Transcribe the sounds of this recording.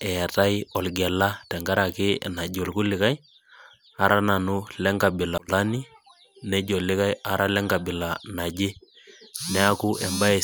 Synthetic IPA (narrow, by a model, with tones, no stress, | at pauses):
ɛ˨ta˦jɔ˨lɡɛ˨la˦tɛ˨ŋɡa˦ɾa˨kɪ̰˦na˨ɟo˨lku˦lɪ˨ka˦j | a˨ɾʔa˦na˨nu˦lɛ˦ŋɡa˨bɪ˨la˨la˦ni˦ | nɛ˦ɟo˨lːɪ˦ka˦ja˨ɾʔa˦lɛ˦ŋɡa˨bɪ˨la˨na˨ɟe˦ | nɛ˦a˦ku˦ʔɛ˨mba˦ɛ˨